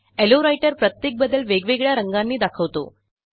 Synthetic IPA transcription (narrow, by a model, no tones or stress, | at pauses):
eloɾajʈəɾpɾət̪jek̚bəd̪ːəlʋeɡʋeɡɭjaɾəŋɡanːiːd̪akʰəʋt̪o̰